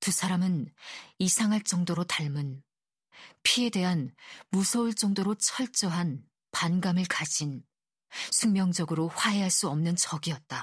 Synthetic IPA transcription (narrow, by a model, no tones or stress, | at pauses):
tusʰaɾamɯnisʰaŋɦaɭt͡ɕ͈ʌŋdoɾotaɭmɯn | pʰie̞de̞ɦanmusʰʌuɭt͡ɕ͈ʌŋdoɾot͡ɕʰʌɭt͡ɕ͈ʌɦan | panɡamɯɭkad͡ʑin | sʰuŋmjʌŋd͡ʑʌɡɯɾoɸwaɦe̞ɦaɭs͈uʌmnɯnt͡ɕʌɡiʌt̚t͈a